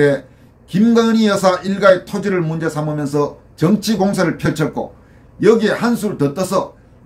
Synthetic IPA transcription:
e | kimɡaɲijʌsʰaʔiɭɡaetʰod͡ʑiɾɯɭmund͡ʑe̞sʰamamjʌnsʰʌ | t͡ɕʌŋt͡ɕʰiɡoŋs̬ʰaɾɯɭpʰjʌɭt͡ɕʰʌt̚k͈o̰ | jʌɡiehans̬ʰuɾɯɭtʌt͈ʌsʰʌ

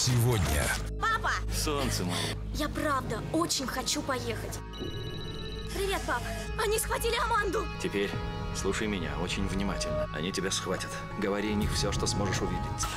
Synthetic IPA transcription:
sʲɪvodʲnʲə̰ | papəsont̪sɨma̰lˠə̰ | japravd̪əot͡ɕɪnʲxɐt͡ɕupɐje̞xətʲ | pɾʲɪvʲet̪̚papə | ɐnʲisxvɐtʲilʲɪɐmand̪ʊtʲɪpʲeɾʲ | slˠuʂəjmʲɪnʲa̰o̞t͡ɕɪnʲvnʲɪmatʲɪlʲnəɐ̰nʲitʲɪbʲasxvatʲət̪ | ɡəvɐɾʲiɐnʲixfsʲoʂt̪osmo̞ʐɨʂʊvʲidʲɪtʲ

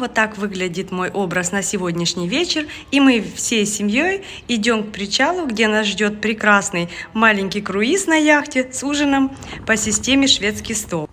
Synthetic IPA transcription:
ot̪ːakvɨɡlʲɪdʲɪt̪mo̞jʔo̞bɾəsnəsʲɪvo̞dʲnʲɪʂnʲɪjvʲet͡ɕɪr | imɨfsʲejsʲɪmʲjo̞j | ɪdʲo̞mk̚pɾʲɪt͡ɕalˠʊɡdʲe̞nasʐdʲo̞t̪̚pɾʲɪkɾasnɨjmalʲɪnʲkʲɪjkɾʊisnɐjaxtʲɪsuʐɨnəm | pəsʲɪsʲtʲemʲɪʂvʲe̞t̪skʲɪjst̪o̞lˠ

